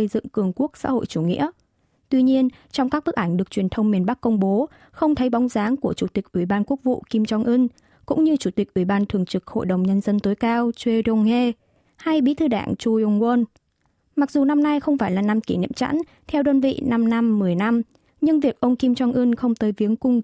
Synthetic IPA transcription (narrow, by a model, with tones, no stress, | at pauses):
ə˧jzɨ̰˧˨ŋkɨ˨˩əŋku˦˥ək̚sa̰ː˧˥ho̰˧˨jt͡ɕu˧˩ŋḭ˧˥ə | t̪wi˧ɲi˧ən | t͡ɕɔ˧wŋ͡mkaː˦˥k̚ɓɨ˦˥k̚ʔa˧˩ŋ̟ɗɨ˨˩ək̚t͡ɕwi˨˩ənt̪ʰə˧wŋ͡mmːi˨˩ənɓa˦˥k̚kːə˧wŋ͡mɓo˨˦ | xə˧wŋ͡mt̪ʰə˨˦jɓɔ˨˦wŋ͡mzaː˨˦ŋku˧˩ət͡ɕu˧˩t̪ï˨˩k̚ʔwi˧˩ɓaː˧nku˦˥ək̚vṵ˧˨ki˧mt͡ɕɔ˧ŋʔɨ˧n | kʊ̰˧˥ŋ͡mɲɨ˧t͡ɕu˧˩t̪i˨˩k̚ʔwi˧˩ɓaː˧nt̪ʰɨ˨˧˩əŋt͡ɕɨ˨˩k̚ho̰˧˨jɗə˨˩wŋ͡mɲə˧nzə˧nt̪o˨˦jkaː˧wt͡ɕwe˧ɾɔ˧ŋhe˧ | ha˧jɓḭ˧˥t̪ʰɨ˧ɗa̰ː˧˩ŋt͡ɕu˧ŋwə˧n | ma˨˩k̚zu˨˩na˧mna˧jxə˧wŋ͡mfaː˧˩jlaː˨˩na˧mki˧˩nḭ˧˨əmt͡ɕa̰˧˥n | t̪ʰɛ˧wɗəː˧nvḭ˧˨na˧mna˧mːɨ˨˩əjna˧m | ɲɨ˧ŋvi˨˩ək̚ʔə˧wŋ͡mki˧mt͡ɕɔ˧ŋʔɨ˧nxə˧wŋ͡mt̪əː˨˦jvi˨˦əŋkʊ˧ŋ͡m